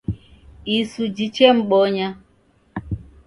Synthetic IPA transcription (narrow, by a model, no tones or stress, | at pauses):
isud͡ʒit͡ʃeŋ͡m̩ɓɔɲa